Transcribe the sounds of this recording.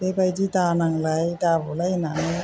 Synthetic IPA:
b̥ebajdidanaŋlajdabolajnanɯ

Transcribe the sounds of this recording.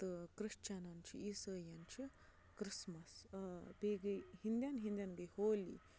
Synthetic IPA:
t̪ɨkɾiʂt͡ʃanɐnt͡ʃʰḭisəːjɐnt͡ʃʰi | kɾismɐsbeɡɐɦind̪janɦind̪ʲjanɡɐjhoːlḭ

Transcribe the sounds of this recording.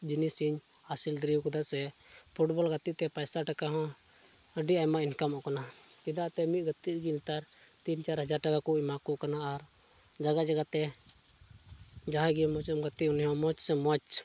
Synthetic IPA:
d͡ʒinisiɲ | asild̪ɾiwkɔd̪asɛpʰuʈbɔlɡat̪iʔt̪ɛpajsaʈakaɦɔ̃ | əɖiamainkamɔʔkana | t͡ʃid̪aʔt̪ɛmit̪̚ɡət̪iɾɡint̪aɾt̪int͡ʃaɾɦəd͡ʒaɾʈakakumakuʔkanaːɾ | d͡ʒaɡad͡ʒaɡat̪ɛ | d͡ʒaɦãɡimɔt͡ʃɔmɡat̪iʔunɦɔ̃mɔt͡ʃsɛmɔt͡ʃ

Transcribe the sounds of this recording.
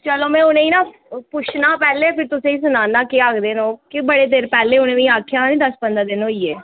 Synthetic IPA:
t͡ʃəloːmɛ̃ːʊnẽːiːnãː | pʊt͡ʃʰnãːpɛːleːpʰɪɾt̪ʊsẽːĩːsʊnaːnaːkeaːkd̪eːnõːkɪbəɽeːd̪eːɾpɛːleːʊnẽːʋĩːaːkʰjaːnĩːd̪əspənd̪aːd̪ɪnoːiːeː

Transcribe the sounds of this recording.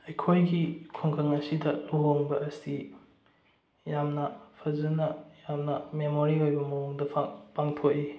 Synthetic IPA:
ɐjkʰojɡikʰoŋkʰɐŋɐsidɐloɦoŋbɐːsi | jamnɐpʰɐzɐnɐjamnɐmemoɾiojbɐmɐuŋdɐpʰpaŋtʰoki

